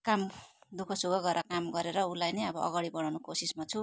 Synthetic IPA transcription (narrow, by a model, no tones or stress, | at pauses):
kamd̪ukʰʌsuɡʌɡʌɾakamɡʌɾeɾʌulajnʌjʌbʌʔʌ̰ɡaɽibʌɽawnukosismat͡sʰu